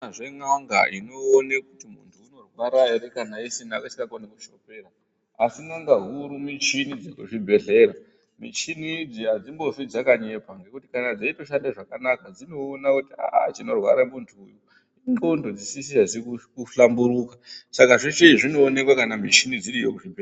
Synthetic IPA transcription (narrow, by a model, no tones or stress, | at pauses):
ʐeŋaŋɡa̰ʔino̞ːnakutimṵntʰuːno̞rwaɾaeɾekanaisinakat͡ʃikakonekuʃope̞ːra | asiŋaŋɡaɦuɾumit͡ʃinid͡zekuʐibʱe̞ɮe̞ːɾa | mḭt͡ʃinid͡ziɦad͡zimbo̞ʐid͡zakaɲe̞pwaŋɡe̞kutikanad͡zaito̞ʃandeʐakanakad͡zino̞ːnakutia̰ʔa̰t͡ʃino̞rwa̰ɾamuntʰujo | iŋɡondod͡zisisiazikukuɬambuɾuːkasakaʐet͡ʃeiʐino̞ːne̞kwakanamit͡ʃinid͡ziɾijo̰kuʐibʱea